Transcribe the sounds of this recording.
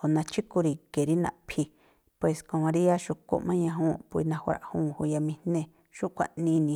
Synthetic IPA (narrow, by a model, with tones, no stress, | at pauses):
ho˨nã˧t͡ʃi˦ku˧ɾi˧ke˨ɾi˦nã̰˧ʔpʰi˧ | pwe˨skõ˧mã˧ɾi˦ja˦ʃu˧˨ko̰˧˨ʔmã˦ɲã˧ɦũː˧pu˧i˧nã˧hɾa̰˨ʔhũː˧˨hu˧ja˧mĩ˧nẽ˧ | ʃu˦kʷa̰˧˨ʔnĩ˧˦nĩ˧